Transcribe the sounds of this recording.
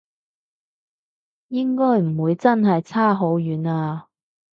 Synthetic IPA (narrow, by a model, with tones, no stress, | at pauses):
jɪ˥ŋkɔː˥jm̩˨˩wuː˨˧jt͡sɐ˥nɦɐ˨jt͡sʰaː˥ɦo˨˥wjyː˨˥naː˧